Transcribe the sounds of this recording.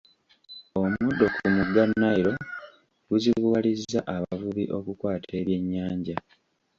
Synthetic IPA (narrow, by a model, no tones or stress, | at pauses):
o̞mudːo̞kʰumuɡanːaiɾo̞ | ɡuziβwalizːaʔaβavuβḭʔo̞kukwaːtʰe̞ːβje̞ɲːaːɲɟa